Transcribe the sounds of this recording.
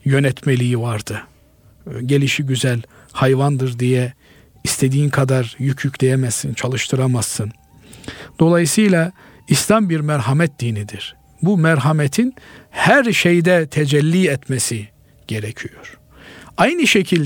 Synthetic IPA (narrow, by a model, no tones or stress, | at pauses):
jø̞nɛt̪ʰmelʲijivaɾd̪ɯ | ɟe̞lʲiʃiɟyzælʲ | hajvand̪ɯɾd̪ijɛ | ist̪ʰe̞d̪iːnkʰad̪aɾjycʰjycʰlʲe̞jemɛzːint͡ʃʰalˠɯʃt̪ʰɯɾamazːɯn | d̪̥o̞lˠajɯsɯjlˠa | islambiɾmæɾɦamɛt̪̚d̪iːnid̪iɾ̥ | bumæɾɦamet̪ʰinhæɾʃejd̪ɛt̪ʰed͡ʒɛlʲːiːɛt̪mesi | ɟ̥e̞ɾecʰijoɾ̥ | ajnɯʃecʰilʲ